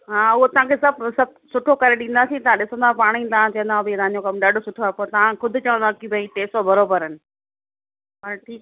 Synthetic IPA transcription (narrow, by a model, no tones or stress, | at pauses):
ɦãːʊɦot̪ɐɦãkʰesɐbsɐ | sʊʈʰokɐɾeɗĩːn̆d̪aːsĩt̪ɐʋ̤ãɗɪsə̃nd̪apaːɽ̃ĩːt̪aãt͡ɕɐ̃ə̃nd̪ãbit̪ãɦãːɲd͡ʑokɐmɗaːɖʱosʊʈʰoaːpoːɾt̪ɐʋãkʊd̪ʱɪ̆t͡ɕɐʋə̃nd̪akibeiʈeːsɔbɐɾoːbəɾənɪ̆ | pɐɾʈʰiː